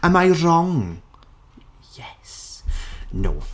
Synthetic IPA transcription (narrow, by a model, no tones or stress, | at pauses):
əmajrɔŋ | jɛs | no̰ː